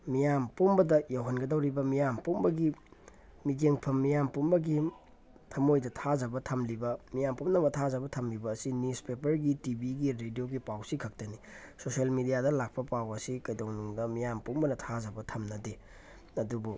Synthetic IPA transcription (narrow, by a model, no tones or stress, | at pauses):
mijampumbɐdɐjawɦɐnɡɐdɐwɾibɐmijampumbɐɡi | mid͡ʒeŋpʰɐmːijampumbɐɡi | tʰɐmojdɐtʰazɐbɐtʰɐmlibɐmijampumnɐmɐtʰazɐbɐtʰɐmlibɐːsinispepɐɾɡitibiɡiɾedioɡipawsikʰɐk̚tɐnisoselmidijadɐlak̚pɐpawɐsikɐjdoŋnuŋdɐmijampumbɐnɐtʰazɐbɐtʰɐmnɐde | ɐdubu